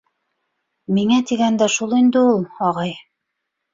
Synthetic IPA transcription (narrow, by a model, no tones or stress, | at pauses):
miŋæt̪iɡænd̪æʃulˠind̪ɘ̆ulˠɑʁɑj